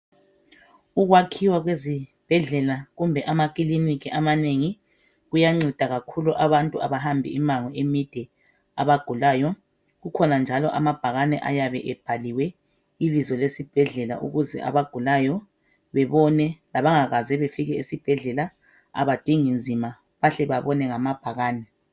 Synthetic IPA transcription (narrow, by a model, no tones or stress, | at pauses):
uɣwakʰiwaɣwezib̥ʱɛɮɛlaɣumbʱɛʔamaɣ̬ʼilinikiʔamaneŋi | ɣujaŋ͡ǀid̥ʱaɣakʰuluʔaβantʼuaβaɦambʱḭimaŋɔemid̥ʱɛ | a̰βaɡ̥ʱulajɔ | ɣukʰɔnand͡ʒʱalɔʔa̰mab̥ʱaɣanɛʔajaβɛʔɛb̥ʱaliwɛ | iβizɔlesib̥ʱɛɮɛla̰ʔṵɣuzɛ̰ʔa̰βaɡ̥ʱulajɔ | βɛβɔnɛlaβaŋaɣazɛβefiɣɛisib̥ʱɛɮɛla | a̰βad̥ʱiŋind͡zʱima | βaɬɛβaβɔnɛŋamab̥ʱaɣaːnɛ